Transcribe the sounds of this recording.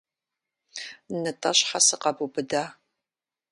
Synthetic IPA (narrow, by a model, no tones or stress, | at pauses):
nɨtʼɐɕħasɨqɐbubɨdaː